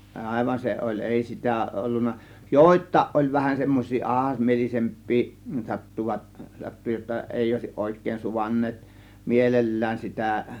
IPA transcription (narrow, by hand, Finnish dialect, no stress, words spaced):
ʔɑˑe̝ʋɑn se olʲ ʔeˑi sitæˑ ʔolːunːɑ joˑe̝tˑɑˑe̝ʔ ʔolʲ ʋæhæn semːos̆ʲsiː ʔɑhɑsmielise̞mpˑiː sɑtːuʋɑt sɑtːu jotːɑ eˑi oˑe̝siʔ ʔoˑe̝kˑeːn suʋɑnːeːt mielelːæːn sitæˑ